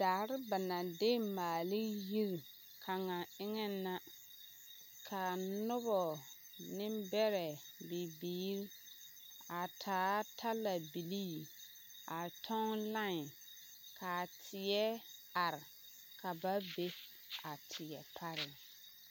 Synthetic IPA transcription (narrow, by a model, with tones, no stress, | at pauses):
d̥aː˨ɾɪ˦ba˨na˨dɪ˦maː˨lɪ˦ji˦ɾ | kʰa˨ŋa˨ɪ˦ŋɛ˦na˦ | kʰa˨nʊ˦βɔ˨ | nɪ˦mbɛ˦ɾɛ˨bɪ˨biː˨˦ɾ | a˨tʰaː˨˦tʰa˦la˨bi˨li˦˨ | a˨tʰɔ˦ŋ˦la˦ŋ˨ | kʰa˨tʰɪ˨jɛ˦a˨ɾɪ˨ | kʰa˨ba˦be˦ | a˨tʰɪ˨jɛ˨pʰa˦ɾɪ˨